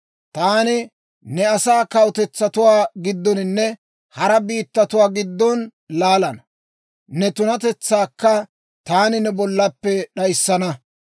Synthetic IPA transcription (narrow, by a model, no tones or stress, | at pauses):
t̪aːnɪ | nɛɐsaːkɐwt̪ɛt͡sːɐt̪ʊwaːɡɪd̪ːɔnɪnːɛ | hɐɾɐbiːt̪ːɐt̪ʊwaːɡɪd̪ːɔn | laːlɐnɐ | nɛt̪ʊnɐt̪ɛt͡sːaːkːɐ | t̪aːnɪnɛbɔlːɐpːɛɗɐjsːɐnɐ